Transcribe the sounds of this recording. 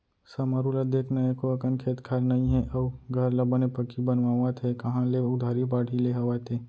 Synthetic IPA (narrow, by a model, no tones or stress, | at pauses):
sɐmaɾulad̪eːkʰnaekoəkənkʰeːt̪kʰaːɾnɐĩɦɛ̃ʔɐɡʱəɾlɐbənepəkibənʋaʋat̪ɦɛkɐɦãleʊd̪ʱaːɾibaːɽʰʱileɦɐʋat̪eː